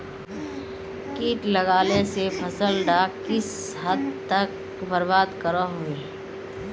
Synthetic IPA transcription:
kiːʈləɡaːlesepʰəsəlɖakɪs | ɦəd̪t̪ək | bəɾbaːd̪kəɾəɦoeː

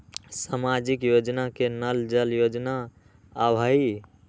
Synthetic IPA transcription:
samad͡ʒikjod͡ʒnakenəld͡ʒəljod͡ʒnaː | bʱəi

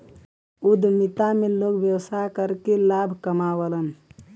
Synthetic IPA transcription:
ud̪ʱmit̪amelokbjəwsakəɾkelabʱkəmawələn

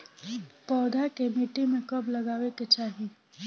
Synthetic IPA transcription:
pɔːd̪ʱakemiːʈimẽkɐblɐɡaːʋeket͡ʃaːɦi

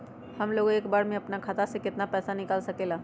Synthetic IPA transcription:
həmloːɡeːkbaːɾmẽɐpnakʰaːt̪asekɪt̪napɛːsanɪkaːlsɐkeːlaː

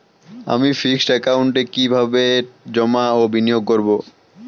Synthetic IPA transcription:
a̰mifiksʈɛkawɳʈekibʱabed͡ʑɔmaobinijoɡ̚koɾbo

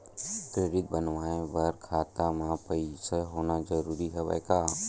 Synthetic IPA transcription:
kɾeːɽɪk̪̚bənʋaːẽpəɾkʰaːt̪amãpəiseɦoːnad͡ʒəɾuːɾiɦɛba̰jkaː

